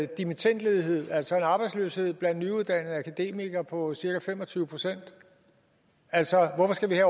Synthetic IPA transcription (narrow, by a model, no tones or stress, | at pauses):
d̥imit͡sʰen̰d̥le̝ːð̞ˠiɦe̝ð̞̰ˠæl̰sɒ̽e̝nɑ̈ːb̥ɑ̈ɪdslø̰ːshe̝ð̞̰ˠb̥lænd̥nyuðˠd̥æn̰ð̩ˠækʰæd̥e̝̰miɡ̥ɐpʰɒ̽siɐkæfemɒ̽t͡sʰyːʊəpʰʁo̝sen̰d̥ | ælsɒ̽ʋɒfɒ̽sɡ̥æʋihæ